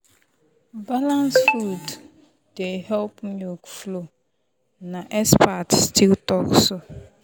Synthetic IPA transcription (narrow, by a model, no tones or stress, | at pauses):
balãnsfud | d̥ehɛlpmokflo | naʔɛspatstʰiltɔksʊ